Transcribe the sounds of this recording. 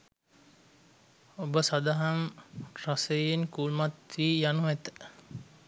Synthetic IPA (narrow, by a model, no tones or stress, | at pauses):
obəsad̪aɦamrasejenkulmat̪ʋiːjanuʋɛt̪ə̥